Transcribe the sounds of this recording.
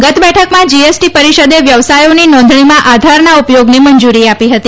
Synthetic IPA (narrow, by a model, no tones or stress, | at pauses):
ɡət̪ʰbɛʈʰəkmãd͡ʒiesʈipəɾiʃəd̪eʋjəʋsajoninɔ̃nd̪ʱɳimãʔad̪ʱaɾnaupjoɡnimənd͡ʒuɾiapiɦət̪i